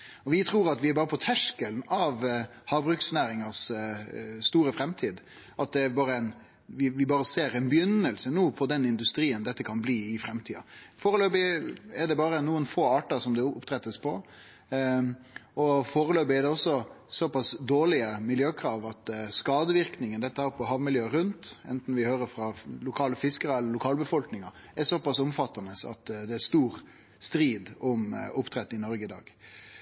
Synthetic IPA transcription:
ɔʋɪt̪ʰɾuːɾɑt̪ʋɪæɾbɑːɾəpʰɔt̪ʰæʂkəlnɑʋhɑːbɾʉksnæːɾɪŋɑs | st̪uːɾəfɾɛmt̪ʰiːd̪ | ʔɑt̪̚d̪ɛæbɑːɾəɛn | ʋɪʋɪbɑːɾəseːɾɛɪnbəjʏnːəlsənuːpʰɔd̪ɛnɪnd̪ʉst̪ɾiːənd̪ɛt̪ːəkʰɑnbliːɪfɾɛmt̪ʰiːɑ̰foːɾəløːbɪɛɖ̪ɛbɑːɾənuːənfoːɑːʈɑsɔmd̪ɛʊpt̪ʰɾɛt̪ːəspʰɔ̰ | ɔfoːɾəløːbɪɛd̪ɛɔsːɔsɔpɑsd̪oːɭɪəmɪljøːkʰɾɑːʋɑt̪skɑːd̪əʋɪɾknɪŋənd̪ɛt̪ːəhæːɾpʰɔɦɑʋmɪljøːɾʉnt̪ɛ̰nt̪n̩ʋɪhøːɾəɾfɾɑlʊkʰɑːləfɪskəɾɛlːəɾlʊkʰɑːlbəfɔlknɪŋɑ | ɛsɔpɑsʊmfɑt̪ːɑnəsɑ̰t̪d̪ɛæst̪uːɾ | st̪ɾiːd̪ʊmʊpt̪ʰɾɛt̪ːɪnɔɾɡəɪd̪ɑ̰ːɡ̥

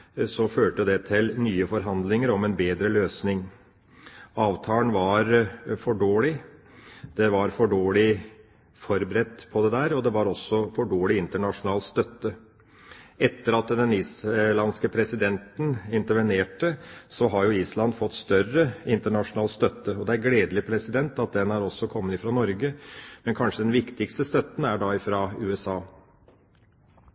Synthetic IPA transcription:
sɔføːʈəd̪ɛt̪ʰɪlnyːəfɔɾɦɑnd̪lɪŋəɾɔmɛnbeːd̪ɾəløːsnɪŋ | ɑːʋt̪ʰɑːənʋɑɾfɔɖoːɭɪ | d̪̥ɛʋɑɾfɔɖoːɭɪ | fɔɾbɾɛt̪ːpʰɔd̪ɛd̪æːɾɔd̪ɛʋɑɾɔsːɔfɔɖoːɭɪɪnt̪əɳɑʂʊnɑːlt̪st̪œt̪ːə | ɛt̪ːəɾɑt̪ːd̪ɛniːslɑnskəpʰɾɛsɪd̪ɛnt̪n̩ɪnt̪əɾʋəneːʈəsɔɦɑɾjʊiːslɑnd̪fɔt̪ːst̪œrəɪnt̪əɳɑʂʊnɑːlst̪œt̪ːəɔd̪ɛæɾɡleːd̪lɪpʰɾɛsɪd̪ɛnt̪ɑt̪̚d̪ɛnæɾɔsːɔkʰɔmːənɪfɾɑnɔɾɡəmɛnkʰɑnʂəd̪ɛnʋɪkt̪ɪkst̪əst̪œt̪ːn̩æɖɑɪfɾɑʉːɛsɑː

